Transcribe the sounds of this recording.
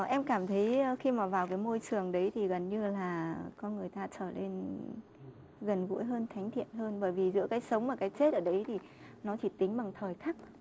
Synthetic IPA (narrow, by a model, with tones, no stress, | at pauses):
ʔɛ˧mkaː˧˩mt̪ʰə˨˦jxi˧maː˨˩vaː˨˩wkaː˨˦jmo˧jt͡ɕɨ˨˩əŋɗə˨˦jt̪ʰi˨˩ɣə˨˩nɲɨ˧laː˨˩kɔ˧˨˧nŋɨ˨˩əjt̪aː˧t͡ɕəː˧˩le˧n | ɣə˨˩nɣṵ˧˥jɦəː˧nt̪ʰa˨˦jŋ̟t̪ʰḭ˧˨ənɦəː˧nɓəː˧˩jvi˨˩zɨ̰˧˥əkaː˨˦jsə˨˦wŋ͡mmaː˨˩kaː˨˦jt͡ɕe˦˥t̚ʔəː˧˩ɗə˨˦jt̪ʰi˨˩ | nɔ˨˦t͡ɕi˧˩t̪ï˨˦ŋ̟ɓa˨˩ŋt̪ʰəː˨˩jxaː˦˥k̚